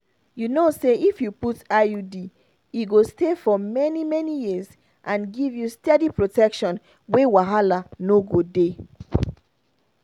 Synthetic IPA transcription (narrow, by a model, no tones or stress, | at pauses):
junoseʔifjuputajudi | iɡostefɔmɛnimɛnijiz | ʔãnɡivjustɛdipɹotɛkʃɔ̃n | wewaɦalanoɡode